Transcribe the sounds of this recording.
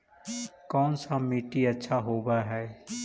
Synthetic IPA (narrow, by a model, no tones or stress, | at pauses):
kɔːnsamiːʈiɐtːʃʰaɦoːbaɦɛː